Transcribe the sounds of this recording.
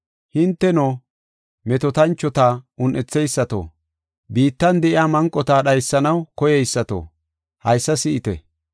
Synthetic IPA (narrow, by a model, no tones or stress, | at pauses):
hɪnt̪ːɛnoː | mɛt̪ɔt̪ɐnt͡ʃːɔt̪aːʊnʔɛt͡sːɛjsːɐt̪o̰ː | biːt̪ːɐnd̪ɛʔɪaːmɐŋkʼːɔt̪aːɗɐjsːɐnɐwkɔjɛjsːɐt̪o̰ː | hɐjsːɐsɪʔɪt̪ɛ̰